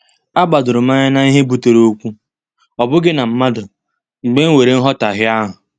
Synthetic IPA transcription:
a˦ɡ͡ba˨dʊ˨ɾʊ˨ma˦ɲɪ˦na˦i˦ɦe˦bu˨te˨ɾo˦kʷu˦ | ɔ˨bʊ˦ɡɪ˦na˨m̩˦ma˦dʊ˨ | ŋ͡m̩˨ɡ͡be˦ŋ̩˦we˨ɾe˦n̩˦ɦɔ˦ta˨ɦɪ˦a˦ɦʊ˨

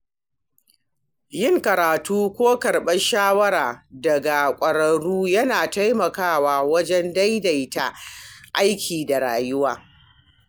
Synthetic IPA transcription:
jɪ˦ŋkɐ˨ɾaː˨tuː˦kʷoː˦kɐ˨ɽɓɐ˦ʃaː˦wɐ˦ɾaː˨dɐ˨ɡa˨kʷʼɐ˨ɽɐ˨ɽuː˦jɐ˦naː˨ta˦jmɐ˨kaː˦˨waː˨wɐ˦d͡ʒɛ˦nda˦jda˨jta̰˨ʔa˦jkʲʰiː˨da˨ɽa̰ː˨jʊ˦waː˨

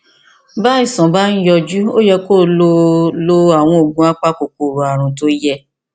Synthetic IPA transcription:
ba˦i˦˨sɔ̃˨ba˦ñ̩˦jɔ˧d͡ʒu˦o˦jɛ˧ko˦˨lo˧˦lo˦a˦˨w̃ɔ̃˧o˨ɡũ˧˦a˦k͡pa˦˨ko˨k͡po˨ɾu˨a˨ɾ̃ũ˨to˦jɛ˦˧

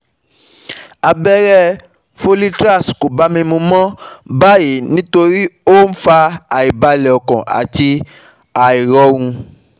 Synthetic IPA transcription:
a˧bɛ˦ɾɛ˦ | fo˦li˦tɾa˦˨sko˨ba˨˦mĩ˧mũ˧mɔ̃˦ba˦je˨˦nĩ˦to˧ɾi˦o˦n̩˦fa˧a˨i˨ba˧lɛ˨ɔ˨kɔ̰̃˨ʔa̰˨ti˧ | a˨i˨ɾɔ˧˦wũ˧

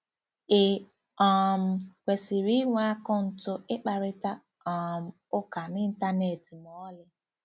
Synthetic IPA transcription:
e˨ | ɔ˨m̩˨kʷe˨si˨ɾi˦ŋʷ˦a˦kɔ˦n̩˨tʊ˦ɪ˦k͡pa˨ɾɪ˦ta˦ | ɔ˨m̩˨ | ʊ˦ka˨nɪ˦n̩˦ta˦ne˨ti˨m˨ɔ˦lɪ˦

